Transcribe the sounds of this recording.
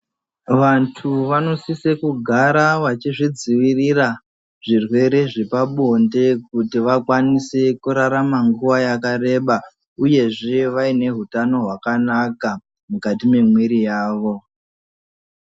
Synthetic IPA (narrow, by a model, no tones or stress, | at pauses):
ʋantʰuʋano̞sisekuɡʱaɾaʋat͡ʃiʐid͡ziʋirira | ʐ̥irwe̞ɾe̞ʐepaɓonde̞k̚utiʋakwanise̞kuɾaɾamaŋɡuʋajakaɾe̞ɓa | uje̞ʐe̞ʋaine̞ɦutano̞ɦwakanaka | mukatime̞mwiɾijaːʋo̞